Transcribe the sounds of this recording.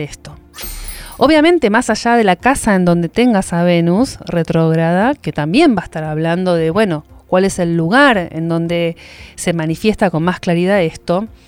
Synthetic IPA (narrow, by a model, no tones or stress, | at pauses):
est̪o̞ | oβjamẽ̞nt̪e̞masaʒað̞e̞lakasaend̪õ̞nd̪et̪e̞ŋɡasaβ̞enusret̪ɾoɣɾaðake̞t̪ambje̞mbae̥st̪aɾaβland̪o̞ðe̞βwe̞no̞kwale̞se̞lːuɣ̞aɾḛnd̪o̞nd̪e̞se̞manifje̞st̪ako̞nmasklaɾiðaðest̪o̞